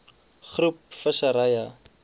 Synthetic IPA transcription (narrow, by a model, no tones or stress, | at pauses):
χrup̚fəsəɾɐjɐ